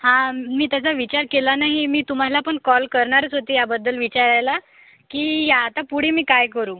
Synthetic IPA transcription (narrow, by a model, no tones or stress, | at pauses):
hãmiːt̪jat͡saʋit͡ɕaɾkelanaɦimiːt̪um̤alapəɳkɔlkəɾɳaɾət͡sɦot̪iːjabəd̪ːəlʋit͡ɕaɾajla | kiːjaːt̪apuɽ̤emiːkajkəɾuː